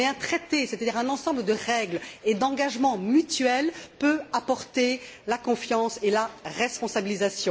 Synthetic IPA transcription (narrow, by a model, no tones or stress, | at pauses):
ɛɛ̃t̪χɛt̪esɛt̪ad̪iʁɛ̃nɑ̃sɑ̃bləd̪əʁɛɡled̪ɑ̃ɡaʒmɑ̃myt̪ɥɛlpøapɔʁt̪elakɔ̃fjɑ̃selaʁɛspɔ̃sabilizasjɔ̃